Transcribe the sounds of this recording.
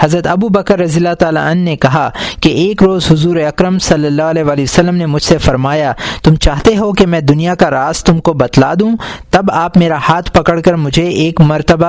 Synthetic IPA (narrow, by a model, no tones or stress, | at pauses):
hɐzɾət̪ɐbubəkəɾːɐzijəlːaɦt̪aːla̰ɐnːekɐɦakeeːkɾoːzɦʊzuːɾeɐkɾəmsɐlːəlːaɦɐlɛːʋaːliəsəlːəmnemʊd͡ʒʱsefɐɾmaːjat̪ʊmt͡ʃaːɦt̪eɦokemɛ̃ːd̪ʊnijakaɾaːst̪ʊmkobɐt̪lad̪ũːt̪ɐbaːpmeːɾahaːt̪ʰpɐkəɽkɐɾmʊd͡ʒʱeeːkmɐɾt̪əba